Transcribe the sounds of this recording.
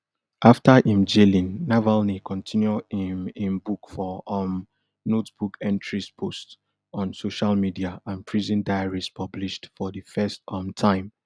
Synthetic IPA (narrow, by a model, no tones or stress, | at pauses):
ʔaftaʔĩmd͡ʒelĩnːavalnikʰɔ̃ntʰĩnjuimĩnbukfɔm | notb̥ukɛ̃ntʰɹispʰost | ɔ̃nsoʃalmidiaãnpʰɹizĩndajaɹispʰʌbliʃtfɔðəfɛstɔ̃mtʰãɪ̃m